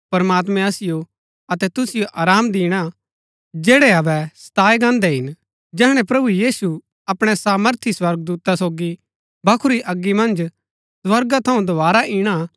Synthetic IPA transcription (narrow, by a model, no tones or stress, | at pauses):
pɐɾmaːt̪̬mɛ̃ɐsɪjo | ɐt̪ɛt̪ʊsɪjoʔaːɾaːmd̪iːɽ̃a | d͡ʒeːɽɛɐbɛst̪aːjɡãːnd̪ɛɦɪn | d͡ʒɛːɦɽ̃ɛ̃pɾɐbujiːsu | ɐpɽ̃ɛsaːməɾt̪ʰiswɐɾɡ̚d̪uːt̪asoːɡi | bʱɐkʰʊɾiʔɐɡːimɐ̃nd͡ʒ | swɐɾɡat̪ʰɐũd̪obaːɾaʔiːɽ̃a